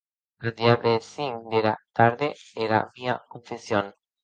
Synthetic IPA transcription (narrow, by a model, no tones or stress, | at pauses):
eɾðiaβesind̪eɾat̪aɾðeːɾa̰βiakoɱfesion